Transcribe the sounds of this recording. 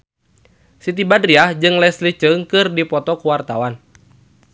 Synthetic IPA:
sit̪ibadriahd͡ʒɨŋlɛslit͡ʃɨŋkɨrdipɔt̪ɔkuwart̪awan

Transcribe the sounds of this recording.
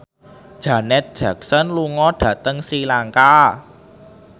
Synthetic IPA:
d̥ʒ̥a̤nɛt̪̚d̥ʒ̥ä̤k̚sənluŋɔɖ̥ä̤t̪əŋsɾilaŋka

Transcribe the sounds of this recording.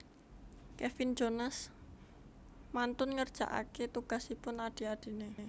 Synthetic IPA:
kɛfɪnd͡ʒonas | mant̪ʊnŋərd̥ʒ̥a̤̰ʔa̰ket̪uɡ̥a̤sipʊnaɖ̥i̤ad̥i̤nee

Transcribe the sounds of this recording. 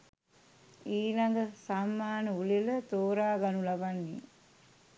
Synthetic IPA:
iːlaŋɡəsamːaːnəulilət̪oːɾaːɡanulabanːḭ

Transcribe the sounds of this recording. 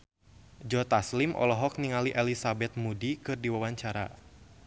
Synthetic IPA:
d͡ʒɔt̪aslimʔɔ̰lɔɦɔk̚niŋaliʔɛlisabɛt̪̚mudikɨrdiwawaɲt͡ʃaɾa̰

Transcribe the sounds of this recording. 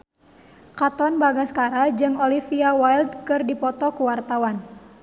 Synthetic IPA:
kat̪ɔnbaɡaskaɾad͡ʒɨŋɔlifiawaild̪̚kɨrdipɔt̪ɔkuwart̪awan

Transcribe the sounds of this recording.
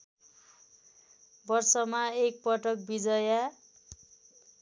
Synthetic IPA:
bʌrsʌmaek̚pʌʈʌk̚bid͡zʌja

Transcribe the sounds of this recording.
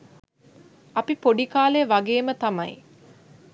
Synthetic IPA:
ɐpipoɖikaːleəʋɐɡeːmət̪ɐmɐj

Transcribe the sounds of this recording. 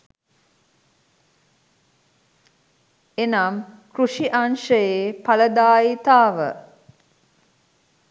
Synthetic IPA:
enamkɾuʂiʔanʃəjepaləd̪aːit̪aːʋə̰

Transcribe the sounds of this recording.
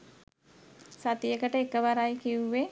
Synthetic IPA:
sat̪ijəkəʈəekəʋaɾajkiuʋe

